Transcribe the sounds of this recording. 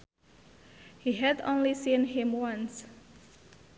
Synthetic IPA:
hiɦɛdõ̰nlisĩnɦĩmwãns

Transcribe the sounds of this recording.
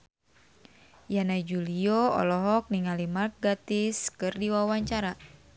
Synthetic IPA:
janad͡ʒulioɔ̰lɔɦɔk̚niŋalimark̚ɡat̪ɪskɨrdiwawaɲt͡ʃaɾa

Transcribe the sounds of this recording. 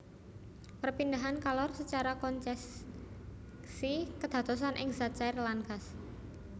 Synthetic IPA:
pərpind̪aɦankalɔrsət͡ʃaɾakɔnt͡ʃɛs | sikəd̪̥ä̤t̪ɔs̬anʔɪŋzḁt͡ʃairlaŋɡas

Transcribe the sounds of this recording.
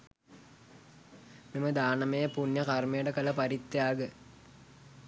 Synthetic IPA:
miməd̪aːnɐmejəpunjəkarmejəʈəkəlɐpɐɾit̪ːejaːɡə

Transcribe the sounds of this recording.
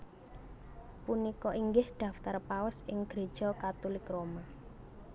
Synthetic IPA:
punikɔʔiŋɡɪhɖ̪̥ä̤ft̪arpaʊsɪŋɡ̥ɾe̤̥ʒ̥ɔkat̪ulɪkroma

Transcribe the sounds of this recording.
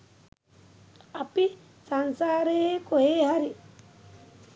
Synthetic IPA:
api | sansaːɾeekoɦeɦaɾi

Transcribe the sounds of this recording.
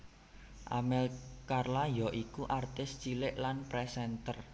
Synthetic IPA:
ʔa̰mɛlkarlajɔʔikuʔart̪ɪst͡ʃilɪʔlanpɾɛsɛnt̪ər

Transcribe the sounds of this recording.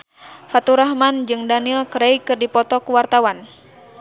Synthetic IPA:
fat̪uɾaɦmand͡ʒɨŋdanilkɾɛjkɨrdipɔt̪ɔkuwart̪awan

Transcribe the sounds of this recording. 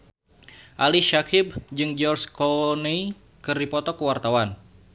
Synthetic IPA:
ʔaliʃakʰɪb̚d͡ʒɨŋd͡ʒɔrskɔnei | kɨrdipɔt̪ɔkəwart̪awan

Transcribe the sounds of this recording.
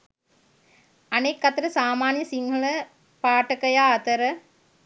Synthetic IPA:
ɐnekːɐt̪əɾəsaːmaːnjəsiŋɦɐlə | paːʈəkɐjaːɐt̪əɾə

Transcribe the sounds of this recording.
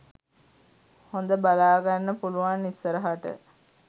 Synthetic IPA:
hond̪əbalaːɡanːəpuluʋanːisːəɾəɦaʈə̰

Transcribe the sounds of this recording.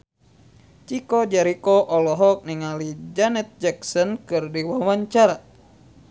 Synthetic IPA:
t͡ʃikɔd͡ʒaɾikɔʔɔlɔɦɔk̚niŋalid͡ʒanɛt̪̚d͡ʒaksɔnkɨrdiwawaɲt͡ʃaɾa

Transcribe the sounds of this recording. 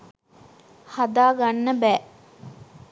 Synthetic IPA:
had̪aːɡanːəbæː

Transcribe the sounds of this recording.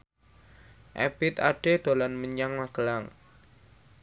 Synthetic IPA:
ʔɛ̰b̥ɪt̪aɖ̥ed̪̥o̤lanməɲaŋmaɡ̥ə̤laŋ

